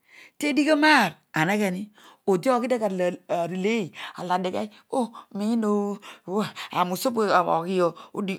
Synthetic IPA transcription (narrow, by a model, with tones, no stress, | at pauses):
te˦di˦ke˦ma˦˨ɾ | a˨ne˦ke˨ni˦o˨di˦o˦˨ki˦de˦ka˨lɾi˨le˦i˨a˨la˨de˨ka˦i˦ | o˦mi˦no˦˨ | a̰˨mu˨so˦bo˦a˨o̰˨ki˦jo˨o˦di˦